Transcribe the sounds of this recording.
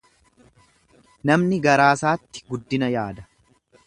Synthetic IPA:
nɐmnɪɡɐɾaːsaːt̪ːɪ̥ɡʊd̪ːɪnɐjaːd̪ɐ

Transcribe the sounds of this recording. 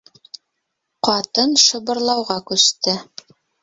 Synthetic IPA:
qɑt̪ɤnʃɤ̆βɤ̆ɾlˠɑwʁɑkʉst̪ɘ

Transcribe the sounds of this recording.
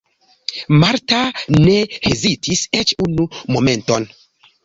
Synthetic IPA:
maɾtane̞hezitʰiset͡ʃunumo̞me̞nto̞n

